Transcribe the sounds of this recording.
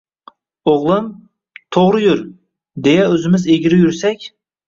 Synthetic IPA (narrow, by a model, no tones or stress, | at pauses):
oʁlˠɨm | t̪ʰoʁɾɨjyɾ | d̪ejɛøzɪmɪzeɡʲiɾɪjyɾsɛkʲ